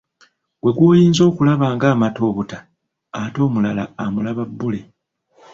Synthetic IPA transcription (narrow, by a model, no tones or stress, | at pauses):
ɡwe̞ɡwoːjiːnzo̞ːkulaβaːŋɡaːmato̞ːβutaː | to̞ːmulalaːmulaβabːule̞